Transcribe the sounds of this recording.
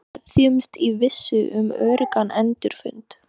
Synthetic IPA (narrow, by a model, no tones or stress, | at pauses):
θjʏmst̪ivɪsːʏʔʏmœ̰ːɥɾɪkanʔɛnt̪ʏɾ̥fʏ̰nt̪